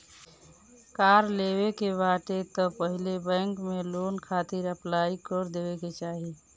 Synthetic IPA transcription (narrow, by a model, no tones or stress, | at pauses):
kaɾleβekebaʈet̪ɔpəɦilebɛ̃ŋkmelonkʰat̪iɾəplaikəɾd̪ebeket͡ʃaːɦi